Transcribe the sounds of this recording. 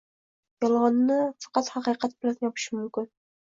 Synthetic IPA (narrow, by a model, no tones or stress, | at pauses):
jjɒlˠʁɑnnɪfɑ̥qɑt̪hɑqijqat̪̚bɪlajɒpʰɪ̥ʃɪmʊmkʲɪn